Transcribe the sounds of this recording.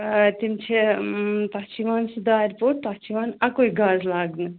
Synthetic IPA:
t̪imt͡ʃʰep̪ɐt͡ʃiʋansud̪aːɾpoʈ̚p̪at͡ʃiʋanɐkoiɡazlaɡnɨ

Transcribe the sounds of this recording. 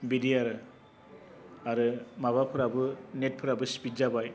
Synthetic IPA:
bidiaɾɯ | aɾɯmaβapʰɯɾabɯnet̚pʰɯɾabɯspitzabaj

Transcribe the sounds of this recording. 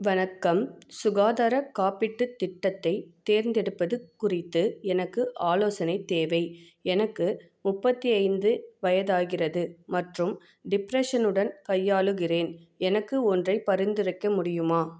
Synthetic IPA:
ʋɐnɐkːɐmsʊɣaːðaːɾɐkaːpɪʈːɯt̪ːɪʈːɐt̪ːɐɪt̪eːɾnd̪ɛɽɯpːɐðɯkːʊrɪt̪ːɯɛnɐkːɯʔaːloːsɐnɐɪt̪ːeːʋɐɪ | ɛnɐkːɯ | mʊpːɐt̪ːiɐɪnd̪ɯʋɐjɐðaːɣɪrɐðɯmɐʈrɯm | ɖɪpɾɛʂɐnɯɽɐnkɐjːaːɭɯɣɪreːnɛnɐkːɯɔndrɐɪpɐɾɪnd̪ɪɾɯkːɐmʊɽɪjɯmaː

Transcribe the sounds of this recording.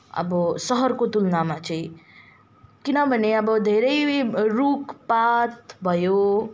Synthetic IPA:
ʌ̰bʌsʌɦʌɾkot̪ulnamãt͡sʰʌĩ | kinʌbʱʌneʌbʌd̪ʱeɾʌjɾukpat̪bʱʌjo

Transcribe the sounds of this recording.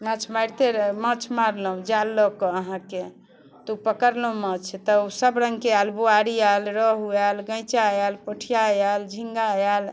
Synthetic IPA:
mə̃t͡ʃʰmajɾt̪eɾmət͡ʃʰmaɾləũd͡ʒalːokɔəɦãke | t̪upəkəɾloũmət͡ʃʰt̪əusəbɾə̃ŋɡkealbuaɾialɾəɦualɡə̃jt͡ʃajalpəʈʰijajald͡ʒʱĩŋɡajal

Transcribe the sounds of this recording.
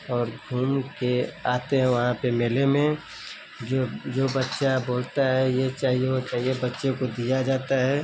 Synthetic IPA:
ɔːɾɡʱuːmkeaːt̪eɦɛ̃ʋɐɦãpemeːlemẽ | d͡ʒod͡ʒoːbɐtːʃaboːlt̪aɦɛjet͡ʃaːɦijeot͡ʃaːɦiebɐtːʃekod̪ijad͡ʒaːt̪aɦɛː

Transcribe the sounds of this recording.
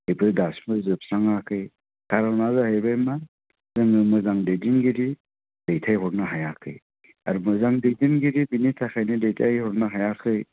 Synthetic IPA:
ejpʰɯdasmɯzɯp̚saŋakʰɯj | tʰaɾawnazahejbajma | zɯŋɯmɯzaŋdejdinɡiɾi | dejtʰajɦɔɾnɯɦajakʰɯ̰j | a̰ɾumɯzaŋdejdinɡiɾibinitʰakʰajnɯdejtʰajhɔɾnɯɦajakʰɯj

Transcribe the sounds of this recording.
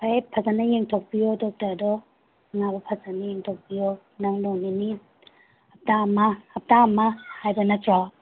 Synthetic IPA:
pʰapʰazanɐjeŋtʰɔk̚bijɔdɔk̚taɾdɔ | ŋabɐpʰazanajeŋtʰok̚bijɔ | naŋlɔŋnini | ap̚tamahap̚tamːahajbɐnatɾa

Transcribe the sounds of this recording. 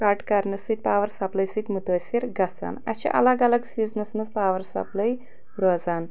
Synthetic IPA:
kaʈkɐɾnɐsɨt̪̚ʲpaːʋɐɾsɐplɐjsit̪ʲmut̪oːsiɾɡɐt͡sa̰nɐ̰t͡ʃʰḭʔɐ̰lɐɡɐlɐɡsiːznɐsnɐspaːʋɐɾsɐ̰plɐj | ɾozaːn

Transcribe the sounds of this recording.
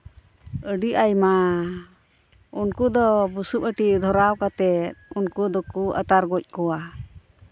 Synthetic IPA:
əɖiʔajma | unkud̪ɔbusup̚əʈid̪ʱɔɾawkat̪ɛt̪̚unkud̪ɔkuʔə̰t̪aɾɡɔc̚ˀkɔwa

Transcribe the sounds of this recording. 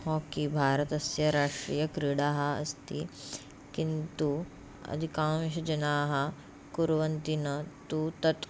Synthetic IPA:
hɔ̃kibʱaːɾət̪ɐsjɐɾaːʂʈɾiːjɐkɾiɽaːɦɐɐ̰st̪i | kint̪u | ɐ̰d̪ʱikãːʋiɕɐd͡ʒɐnaːɦɐ | kuɾʋɐnt̪inɐt̪ut̪ɐt̪

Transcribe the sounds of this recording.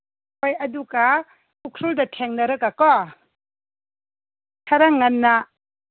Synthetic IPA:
ɔjɐduɡa | pukʰɾɔldɐtʰeŋnɐɾɯkakɔ | tʰaɾaŋːanːa

